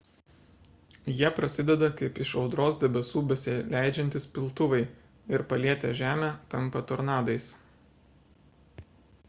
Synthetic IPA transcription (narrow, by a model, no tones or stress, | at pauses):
jiɛpɾɐsʲɪd̪ʲɛd̪ɐkɐɪpɪʃɒʊd̪ɾoːsd̪ʲɛbʲɛsuːbʲɛsʲɪlʲæˑɪd͡ʒʲɛnʲt̪ʲɪspʲɪlˠˑt̪ʊʋɐɪ | ɪɾpɐlʲiɛt̪ʲɛʒʲæːmʲæːt̪ɐmpɐt̪ɔɾnɑːd̪ɐɪs